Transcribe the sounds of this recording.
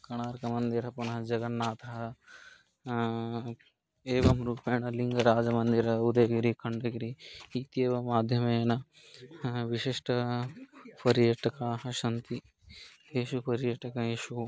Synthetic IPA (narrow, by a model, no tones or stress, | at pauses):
kɐɽ̃aːɾkɐmɐnd̪iɾɦɐpɐnɦɐd͡ʒɐɡɐnːaːt̪ɐɦɐ | eːʋɐmɾuːpeːnɐliŋɡɐɾaːd͡ʒɐmɐnd̪iɾɐud̪eɡiɾikʰɐɳɖɐɡiɾiiːt̪ieːʋɐmːaːd̪ʱjɐmenɐ | ʋiʃiʃʈɐ | pɐɾjɐʈɐkaɦɐʃɐnt̪i | eːʃupɐɾjɐʈɐkaeːʃu